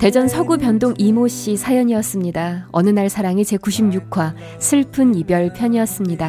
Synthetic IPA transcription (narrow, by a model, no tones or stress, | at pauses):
te̞d͡ʑʌnsʰʌɡupjʌndoŋimoɕ͈isʰajʌɲiʌs͈ɯmɲidaʌ̰nɯnaɭsʰaɾaŋit͡ɕe̞kuɕʰimɲukʰwa | sʰɯɭpʰɯnibjʌɭpʰjʌɲiʌs͈ɯmɲida